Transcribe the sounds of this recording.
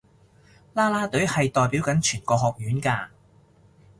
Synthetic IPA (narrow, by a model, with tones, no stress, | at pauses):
laː˥laː˥t̪ɵ˨˥ɥhɐ˨jt̪ɔː˨˧jpiː˨˥wkɐ˨˥nt͡ʃʰyː˨˩nkɔː˧ɦɔː˨k̚jyː˨˥nkaː˧